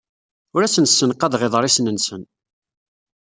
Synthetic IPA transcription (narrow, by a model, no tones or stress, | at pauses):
ʊɾæsənsːənqɑðʁeðˤɾˤisnənsən